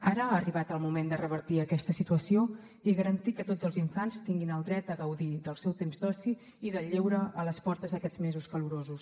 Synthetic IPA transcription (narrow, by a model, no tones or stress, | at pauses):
aɾəaːriβat̪əlˠmumend̪ərəβəɾt̪iəkɛst̪əsit̪uəsio | iɣəɾənt̪ikət̪od͡zzəlˠziɱfanst̪iŋɡinəlˠd̪ɾɛt̪̚əɣəwðiðəlˠsɛwt̪emzd̪ɔsi | iðəʎewɾəʔələspɔɾt̪əzðəkɛd͡zmezuskəluɾozus